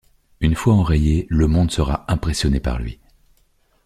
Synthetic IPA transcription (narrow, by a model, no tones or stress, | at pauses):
ynfwaɑ̃ʁejeləmɔ̃d̪səʁaɛ̃pχesjɔnepa̰ʁlɥḭ